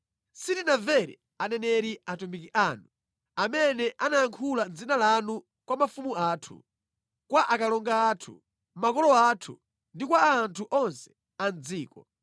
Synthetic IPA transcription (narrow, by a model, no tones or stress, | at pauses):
sitinavɛɾḭ | anɛnɛɾiatumbikiʔanu | amɛnɛʔanajaŋkʰulad͡zinalanu | kwamafumuaːtʰṵ | kwaʔakalɔŋɡaːtʰṵ | makɔlɔatʰṵ | ndikwaːntʰuʔɔnsɛ̥ | and͡ziːkɔ